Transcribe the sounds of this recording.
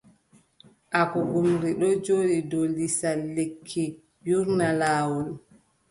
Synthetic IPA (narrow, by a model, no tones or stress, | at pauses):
ʔakɔɡumɾiɗɔd͡ʒoːɗidɔlisalːekʰːi | juɾnalaːwɔl